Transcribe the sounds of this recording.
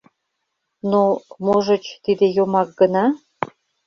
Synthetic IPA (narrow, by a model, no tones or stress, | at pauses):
nomoʒə̆t͡ɕt̪id̪ejomɑk̚ɡənɑ